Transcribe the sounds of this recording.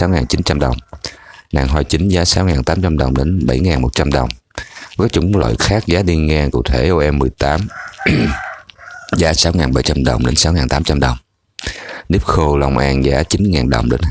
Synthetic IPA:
aː˨˦wŋaː˨˩nt͡ɕi˨˦nt͡ɕa˧mɗə˨˩wŋ͡mna̰ː˨˩ŋɦwa˧jt͡ɕi˨˦ŋ̟zaː˨˦saː˨˦wŋaː˨˩nt̪aː˨˦mt͡ɕa˧mɗə˨˩wŋ͡mɗe˨˦nɓə˧˩jŋaː˨˩nmo˨˩t̚t͡ɕa˧mɗə˨˩wŋ͡m | kaː˦˥k̚t͡ɕʊ˨˦ŋ͡mlə̰ː˧˨jxaː˦˥k̚zaː˨˦ɗi˧ŋɛ˧kṵ˧˨t̪ʰe˧˩ʔo˧ʔɛ˧mːɨ˨˩əjt̪aː˨˦m | zaː˨˦saː˨˦wŋaː˨˩nɓə˧˩jt͡ɕa˧mɗə˨˩wŋ͡mɗe˨˦nsaː˨˦wŋaː˨˩nt̪aː˨˦mt͡ɕa˧mɗə˨˩wŋ͡m | ni˦˥p̚xo˧la˧wŋ͡mʔaː˧nzaː˨˦t͡ɕi˨˦nŋaː˨˩nɗə̰˨˩wŋ͡mɗḛ˨˦n

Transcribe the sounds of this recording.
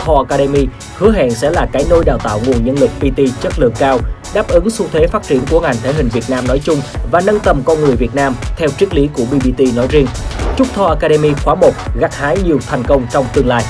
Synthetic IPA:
t̪ʰɔ˧ʔa˧kaː˧ɗe˧mi˧ | hɨ˨˦əɦa̰ː˧˨nsɛ̰˧˥laː˨˩kaː˨˦jno˧jɗaː˨˩wt̪a̰ː˧˨wŋu˨˩ənɲə˧nlɨ˨˩k̚pi˧t̪i˧t͡ɕə˦˥t̚lɨ̰˨˧˨əŋkːaː˧wɗaː˦˥p̚ʔɨ˨˦ŋsu˧wt̪ʰwe˨˦faː˦˥t̚t͡ɕḭ˧˩ənku˧˩əŋa˨˩jŋ̟t̪ʰe˨˦ɦï˨˩ŋ̟vi˨˩ət̚naː˧mnɔ˨˦jt͡ɕʊ˧ŋ͡mvaː˨˩nə˧nt̪ə˨˩mkɔ˧nŋɨ˨˩əjvi˨˩ət̚naː˧mt̪ʰɛ˧wt͡ɕi˦˥k̚li˨˦ku˧˩əɓi˧ɓi˧t̪i˧nɔ˨˦jzi˧ənt͡ɕʊ˦˥k͡p̚t̪ʰɔ˧ʔaː˧kaː˧ɗe˧mi˧xwaː˨˦mo˨˩t̚ɣa˨˦˥k̚haː˨˦jɲi˨˩əwt̪ʰɛ˨˩jŋ̟kə˧wŋ͡mt͡ɕɔ˧wŋ͡mt̪ɨ˧əŋlaː˧j

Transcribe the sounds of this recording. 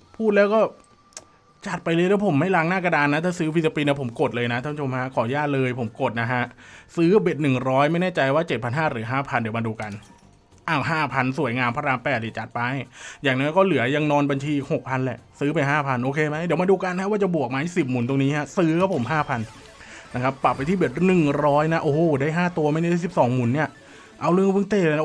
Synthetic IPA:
pʰuː˥˩t̪̚lɛː˦˥wkɔː˥˩ | t͡ɕa˨˩t̪̚pa˧jlɤː˧jlɛː˦˥wpʰo˩˦ma˥˩jlaː˧˥˩ŋnaː˥˩ka˧daː˧nːa˦˥t̪ʰaː˥˩sɯː˦˥pʰi˦˥sa˧piː˧ni˧˥pʰo˩˦mko˨˩t̪̚lɤː˧jna˦˥t̪ʰːa˦˥t͡ɕʰo˧mha˦˥kʰɔː˩˦jaː˥˩lɤː˧jpʰo˩˦mko˨˩t̪̚na˦˥kʰa˦˥ʔsɯː˦˥be˨˩t̪̚nɯ˨˩ŋɾɔː˦˥jma˥˩jnɛː˥˩t͡ɕa˧jwaː˥˩t͡ɕe˨˩t̪̚pʰa˧nɦaː˥˩ɾɯ˩˦ɦaː˥˩pʰa˧ndi˩˦maː˧duː˧ka˧n | ʔa˧˩wɦaː˥˩pʰa˧nsu˨˩˦əjŋaː˧mpʰaː˧ɾaː˧mpɛː˨˩t̪̚ni˨˩t͡ɕa˨˩t̪̚pa˧jjaː˨˩ŋnɔː˦˥kɔː˥˩lɯ˨˩˦ɐja˧ŋnɔː˧nba˧nt͡ɕʰiː˧i˨˩k̚ho˨˩k̚pʰa˧nlɛ̰˨˩ʔsɯː˦˥pa˧jɦaː˥˩pʰa˧nʔoː˧kʰeː˧ma˦˥di˩˦ma˧duː˧ka˧nːʰa˦˥waː˥˩t͡ɕa˨˩bu˨˩ək̚maː˧i˦˥˩si˨˩p̚muː˩˦nt̪o˧ŋniː˦˥hʰa˦˥sɯː˦˥kʰa˦˥pʰo˩˦mɦaː˥˩pʰa˧n | na˦˥kʰa˦˥pːa˨˩pːa˧jt̪ʰiː˥˩be˨˩t̪̚nɯ˨˩ŋɾɔː˦˥jna˦˥ʔoː˧˩˨daː˥˩jɦaː˥˩t̪u˧ɐma˥˩na˥˩˨si˨˩p̚sɔː˩˦ŋmuː˨˩˦nːi˥˩ɐ | ʔa˧wlɯ˥˩˨ŋwɯː˧˥ŋt̪eː˧˩lːna˦˥

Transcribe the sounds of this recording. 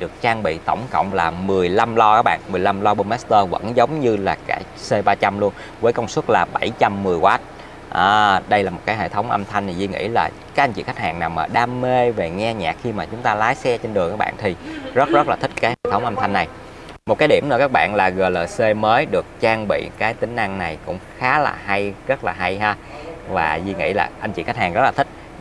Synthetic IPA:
ɗɨ˨˩ək̚t͡ɕaː˧ŋɓḭ˧˨t̪ə˧˩wŋ͡mkə̰˧˨wŋ͡mlaː˨˩mɨ˨˩əjla˧mlɔ˧kaː˦˥k̚ɓa̰ː˧˨nmɨ˨˩əjla˧mlɔ˧ɓo˧nmɛ˦˥st̪əː˧və̰˧˥nzə˨˦wŋ͡mɲɨ˧laː˨˩kaː˧˩ | se˧ɓaː˧t͡ɕa˧mlu˧ən | vəː˨˦jkə˧wŋ͡mswə˦˥t̚laː˨˩ɓa˧˩jt͡ɕa˧mːɨ˨˩əjkwaː˨˦˥t̚ | ʔaː˨˩ɗə˧jlaː˨˩mo˨˩t̚kaː˨˦ɦḛ˧˨t̪ʰə˨˦wŋ͡mʔə˧mt̪ʰa˧jŋ̟t̪ʰi˨˩zi˧ŋḭ˧˥laː˨˩ | ka˦˥k̚ʔa˧jŋt͡ɕḭ˧˨xa˦˥k̚ha̰ː˨˩ŋnaː˨˩wmːaː˨˩ɗaː˧mːe˧ve˨˩ŋɛ˧ɲa̰ː˨˩k̚xi˧maː˨˩t͡ɕʊ˨˦ŋ͡mt̪aː˧laː˨˦jsɛ˧t͡ɕe˧nɗɨ˨˩ŋkaː˦˥ɓa̰ː˧˨nt̪ʰi˨˩zə˦˥t̚zə˦˥t̚laː˨˩t̪ʰi˦˥k̚kaː˨˦jhḛ˧˨t̪ʰə˨˦wŋ͡mʔə˧mt̪ʰa˧ŋnːa˨˩j | mo˨˩t̚kaː˨˦ɗi˧˩nɨ̰˧˥˩kaː˦˥k̚ɓa̰ː˧˨nlaː˨˩ɣəː˨˩jləː˨˩jse˧məː˨˦jɗɨ˨˩ək̚t͡ɕaː˧ŋɓḭ˧˨kaː˨˦jt̪ï˨˦ŋ̟ʔa˧ŋna˨˩jkʊ̰˧˥ŋ͡mxaː˨˦la̰ː˨˩ɦa˧jzə˦˥t̚laː˨˩ɦa˧jhaː˧ | vaː˨˩zi˧ŋḭ˧˥la̰ː˨˩ʔa˧jŋ̟t͡ɕḭ˧˨xa˦˥k̚haː˨˩ŋzə˦˥laː˨˩i˦˥k̟̚

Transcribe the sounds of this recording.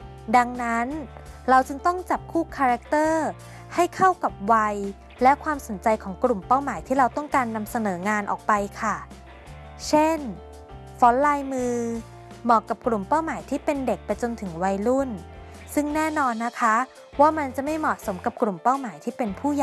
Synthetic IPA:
da˧ŋna˦˥nɾa˧wt͡ɕɯ˧ŋt̪ɔ˥˩ŋt͡ɕa˨˩p̚kʰuː˥˩kʰaː˧ɾa˦˥k̚t̪ɤː˥˩ | ha˥˩jkʰa˥˩wka˨˩p̚wa˧j | lɛ˦˥kʰwaː˧mso˩˦nt͡ɕa˧jkʰɔː˩˦ŋkɾu˨˩mpa˥˩wmaː˩˦jt̪ʰiː˥˩ɾa˧wt̪ɔ˥˩ŋkaː˧nːa˧msa˧nɤː˩˦ŋaː˧nʔɔ̰ː˨˩k̚pa˧jkʰa˥˩ | t͡ɕʰe˥˩n | fɔː˦˥nlaː˧jmɯː˧ | mɔː˨˩kːa˨˩p̚kɾu˨˩mpa˥˩wmaː˩˦jt̪ʰiː˥˩pe˧nde˨˩k̚pa˧jt͡ɕo˧nt̪ʰɯ˩˦ŋwa˧jɾu˥˩n | sɯ˥˩ŋnɛː˥˩nɔː˧nːa˦˥kʰa˦˥ | waː˥˩ma˧nt͡ɕa˨˩ma˥˩jmɔ˨˩t̪̚so˩˦mka˨˩p̚kɾu˨˩mpa˥˩wmaː˩˦jt̪ʰiː˥˩pe˧npʰuː˥˩ja˨

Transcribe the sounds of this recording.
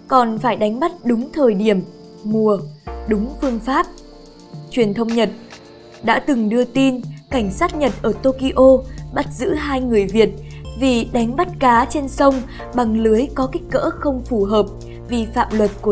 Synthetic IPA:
kɔ˨˩nfaː˧˩jɗa˨˦jŋ̟ɓa˦˥t̚ɗʊ˨˦ŋ͡mt̪ʰəː˨˩jɗi˧˩əm | mu˨˩əɗʊ˨˦ŋ͡mfɨ˧əŋfaː˦˥p̚ | t͡ɕwi˨˩ənt̪ʰə˧wŋ͡mɲə˨˩t̚ | ɗa̰ː˧˥t̪ɨ˨˩ŋɗɨ˧ət̪i˧nka˧˩jŋ̟saː˦˥t̚ɲə˨˩t̚ʔəː˧˩t̪o˧ki˧ʔo˧ɓa˦˥t̚zɨ̰˧˥ɦaː˧jŋɨ˨˩əjvi˨˩ət̚vi˨˩ɗa˨˦jŋ̟ɓa˦˥t̚kaː˨˦t͡ɕe˧nsə˧wŋ͡m | ɓa˨˩ŋlɨ˨˦əjkɔ˨˦ki˦˥k̟̚kə̰ː˧˥xə˧wŋ͡mfu˧˩ɦəː˨˩p̚ | vi˨˩fa̰ː˧˨mlwə˨˩t̚ku˧˩

